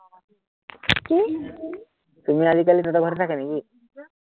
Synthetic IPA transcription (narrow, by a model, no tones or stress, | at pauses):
ki | t̪um̤iad̪ʱik̬alit̪ət̪ɔbʱəɾt̪akenaɡi